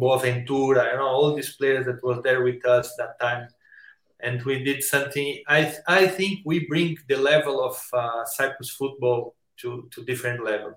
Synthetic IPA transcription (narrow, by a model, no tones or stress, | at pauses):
bofɛ̃nt̪uɾaadõnoɔlˠd̪isplejə˞zðɛt̚wɔzd̪ɛɹwiðʌsd̪æt̪ʰːãɪ̃m | ɛ̃ndwid̪id̪sʌ̃mθĩŋajajθĩŋkwibɹĩŋðəlɛvəlˠɔv̥saɪkɹəsfut̪̚bɔlˠ | t̪ʰut̪ʰud̪ifəɾɛ̃ntlɛvəlˠ